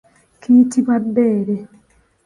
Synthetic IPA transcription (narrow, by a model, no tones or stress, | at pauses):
kʰiːtiβwabːeːɾe